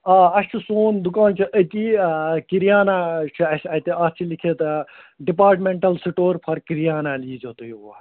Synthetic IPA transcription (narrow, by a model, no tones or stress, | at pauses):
ɐɐst͡ʃʰisoːnd̪ukaːnt͡ʃʰiʔət̪ikiɾijaːnat͡ʃʰiɐsɐt̪iɐst͡ʃʰilikʰet̪ | ɖipaːɾʈmeɳʈɐlsiʈoːɾpʰɐɾkiɾjaːnaliːd͡ʒot̪ujia